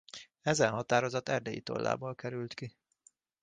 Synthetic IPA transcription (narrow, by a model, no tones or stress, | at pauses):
ɛzɛnɦɒt̪aːɾo̞zɒt̪ɛrd̪ɛjḭt̪o̰lːa̰ːbolkɛɾylt̪ki